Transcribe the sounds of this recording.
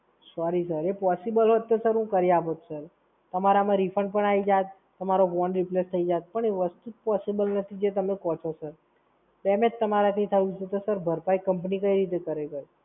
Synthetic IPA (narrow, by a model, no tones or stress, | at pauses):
sɔɾisəɾepɔsibəlɦot̪ːosəɾɦũkəɾiaʋot̪səɾ | t̪əmaɾamãɾipʰəɳɖpəɳaid͡ʒat̪ːəmaɾoʋɔnɖɾiplest̪ʰəid͡ʒat̪̚pəɳeʋəst̪ut̪̚pɔsibəlnət̪ʰid͡ʒet̪əmekɔt͡ʃʰosəɾ | bɛmed͡ʒt̪əmaɾat̪it̪ʰəjũt͡ʃʰet̪osəɾbʱəɾpajkəmpnikəiɾit̪̬ekəɾekəɾ